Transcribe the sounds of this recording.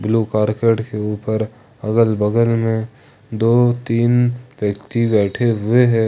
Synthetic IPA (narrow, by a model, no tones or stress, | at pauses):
bluːkaːɾkeːʈkeuːpəɾ | ɐɡəlbəɡəlmẽ | d̪oːt̪iːnʋjəkt̪ibɛːʈʰeɦʊeɦɛː